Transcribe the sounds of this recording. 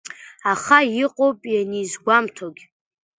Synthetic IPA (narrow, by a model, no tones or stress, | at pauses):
aχajiqʼowpʼjanizɡʷamtʰoɡʲ